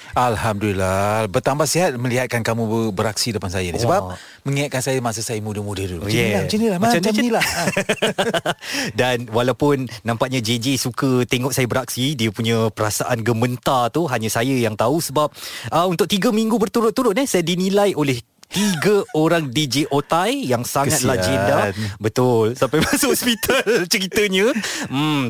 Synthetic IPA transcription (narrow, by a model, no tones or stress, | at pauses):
alhamdulilabərt̪ambahsiɦat̪̚mə̃liɦat̪̚kankamubəɾak̚sidəpansajansəbap | məŋiat̪̚kansajamas̬əsajəmudəmudət̪uilat͡ʃinilahmaaamaila | danwalawpʊnːãmpaʔɲãd͡ʒed͡ʒesukət̪eŋɔʔ̚sajabəɾak̚sidiəpuɲə̃pəɾasaʔanɡəmənt̪at̪uɦaɲəsajəjaŋt̪ausəbap̚əunt̪ʊk̚t̪iɡəmĩŋɡubərt̪uɾʊt̪ːuɾʊt̪̚ɛhsajadinĩlajʔolɛh | t̪iɡəoɾaŋdid͡ʒeʔot̪ajjaŋsaŋat̪̚lad͡ʒendabət̪ʊlsampajmashɔspit̪alt͡ʃəɾit̪əɲə̃m